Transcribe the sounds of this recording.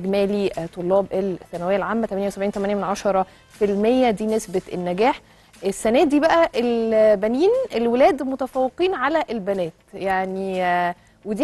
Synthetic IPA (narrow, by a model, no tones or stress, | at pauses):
ɡmæːlit̪ˤolːɑːbʔelsːænæwejːælʕaːmːæt̪æmænjæwesæbʕiːnt̪æmænjæmenʕɑʃɑɾˤɑ | filmejːæd̪iːnesbet̪ʔenːæɡæːħ | ʔesːænæːd̪iːbæʔæʔelbæniːnʔelwelæːd̪mot̪æfæwːeqiːnʕalæʔelbænæːt̪jaʕni | wed̪i